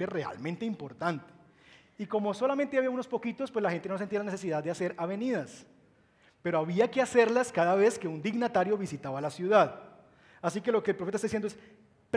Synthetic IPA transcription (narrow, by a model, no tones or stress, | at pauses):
ere̞a̰lmẽnt̪e̞impo̞ɾt̪ant̪e̥ | iko̞mo̞so̞lamẽnt̪eaβiauno̞spo̞kit̪o̞spweslaxet̪e̞nosent̪ialane̞s̬es̬iðaðd̪ease̞ɾaβe̞niðas | pe̞ɾoaβiake̞ase̞ɾlaskaðaβe̞ske̞und̪iɡnat̪aɾjo̞βisit̪aβalasjuðað | asike̞lo̞keːlpɾfeaest̪aðisjend̪oes | p